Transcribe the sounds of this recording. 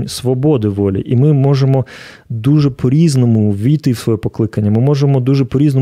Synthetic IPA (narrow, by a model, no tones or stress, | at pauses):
nʲsʋɔbɔd̪ɪʋɔlʲḭʔimɪmɔʒemɔ | d̪uʒɛpʰɔɾʲiznɔmʊʋʲijt̪ɪwsʋɔjɛpɔklˠɪkɐnʲːɐmɪmɔʒemɔd̪uʒɛpɔɾʲiznɔ